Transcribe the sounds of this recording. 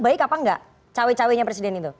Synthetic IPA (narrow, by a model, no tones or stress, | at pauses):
baɪkapaŋɡa̰ʔ | t͡ʃawɛt͡ʃawɛɲapɾes̬idɛnit̪u